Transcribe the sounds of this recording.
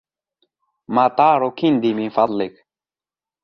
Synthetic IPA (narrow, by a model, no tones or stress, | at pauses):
maːt̪aːɾokʰind̪imifɑðˤlik